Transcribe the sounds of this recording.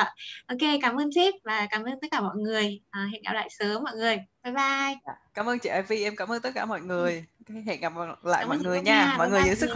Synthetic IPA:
ʔo˧ke˧kaː˧˩˦mʔəː˧nse˦˥p̚vaː˨˩kaː˨˩mʔəː˧nt̪t̚kaː˧˩mɔ̰˧˨jŋɨ˨˩əjʔəː˨˩ɦḛ˧˨nɡa̰˨˧˩la̰ː˧˨jsəː˨˦mɔ̰˧˨jŋɨ˨˩əjvaː˨˧˩jɓaː˧˩jkaː˨˦mʔəː˧nt͡ɕḭ˧˨ʔaː˧jvi˧ʔɛ˧mkaː˧˦məː˧nt̪t̚kaː˧˩mɔ̰˧˨jŋɨ˨˩əjkːḛ˧˨nɡa˨˩p̚la̰ː˧˨jmɔ̰˧˨jŋɨ˨˩ə˨jɲaː˧mɔ̰˨˧˨jŋɨ˨˩ə˨zɨ̰˧˥˦sɨ˦˥

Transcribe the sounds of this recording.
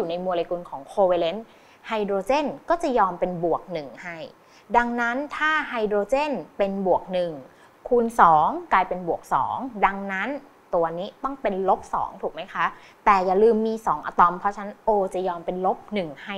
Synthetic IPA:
uː˨˩na˧jmu˧le˧ku˧nkʰɔː˩˦ŋkʰoː˧we˧le˦˥n | ha˧jdɾoː˧t͡ɕe˥˩nkɔː˥˩t͡ɕa˨˩jɔː˧mpe˧nbu˨˩ək̚nɯ˨˩ŋha˥˩j | da˧ŋna˦˥nt̪ʰaː˥˩ɦa˧jdɾoː˧t͡ɕe˥˩npe˧nbu˨˩ək̚nɯ˨˩ŋ | kʰuː˧nsɔː˩˦ŋkaː˧jpe˧nbu˨˩ək̚sɔ̰ː˩˦ŋda˧ŋna˦˥n | t̪u˧niː˦˥t̪ɔ˥˩ŋpe˧nlo˦˥p̚sɔ̰ː˩˦ŋt̪ʰuː˨˩k̚ma˦˥jkʰa˦˥ʔ | t̪ɛː˨˩jaː˨˩lɯː˧mːiː˧sɔː˩˦ŋʔa̰˧t̪ɔ˧mpʰɾɔ˦˥t͡ɕʰa˦˥nʔoː˧t͡ɕa˨˩jɔː˧mpe˧nlo˦˥p̚nɯ˨˩ŋha˥˩j

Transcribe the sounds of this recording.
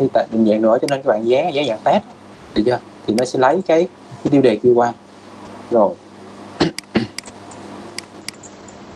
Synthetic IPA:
t̪ʰi˧˩t̪a̰ː˧˨jt̪ï˨˩ŋ̟zɛ̰ː˧˨ŋnɨ̰˧˩ət͡ɕɔ˧ne˧nkːaː˦˥ɓa̰ː˧˨zaː˨˦zaː˨˦za̰ː˧˨˩ŋt̪aː˦˥t̚ | t̪ʰɨ̰˨˩zəː˧˩ | t̪ʰi˨˩nɔ˨˦sɛ̰˧˥lə˨˦jkaː˨˦j | kaː˨˦jt̪i˧wɗe˨˩ki˧əkwaː˧ | zo˨˩j

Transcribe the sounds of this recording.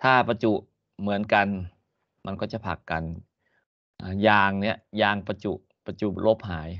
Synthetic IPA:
t̪ʰaː˧˥˩pa˧t͡ɕu˨˩ʔ | mɯ˩˦ənka˧n | ma˧nkʰɔː˧˩t͡ɕa˧˩pʰa̰˨˩kːa˨n | ʔaː˧˩jaː˧ŋni˦˥˩ɐʔjaː˧ŋpa˧t͡ɕu˨˩ʔ | pa˧t͡ɕu˨˩lo˦˧˩p̚ɦaː˩˦j

